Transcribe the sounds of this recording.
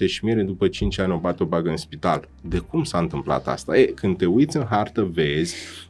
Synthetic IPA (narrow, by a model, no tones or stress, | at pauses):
eʃimjeɾed̪upət͡ʃint͡ʃʲanʲobat̪eo̞baɡəɨnspit̪a̰l | d̪e̞kumsaɨnt̪ɨmpla̰t̪a̰st̪a̰ekɨnt̪e̞ujt̪sʲɨnɦart̪əve̞zʲ